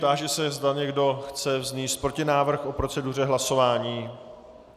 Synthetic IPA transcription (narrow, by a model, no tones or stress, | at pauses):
d̪aːʒɛsɛzd̪aɲɛɡdo̞xt͡sɛvzɲiːst̪̚pɾo̞cɪnaːvr̩xʔo̞pɾo̞t͡sɛdur̝ɛɦlaso̞vaːɲiː